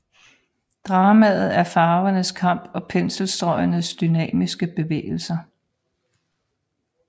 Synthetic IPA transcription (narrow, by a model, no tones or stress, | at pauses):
d̥ʁɑ̈ːmæðð̩ˠæɐfɑ̈ːʊɐnəskʰɑ̈m̰b̥ɒ̽pʰensl̩sd̥ʁɒ̽ɪɐnəsd̥ynɛ̰ːmisɡ̥əb̥e̝ʋḛːl̩sɐ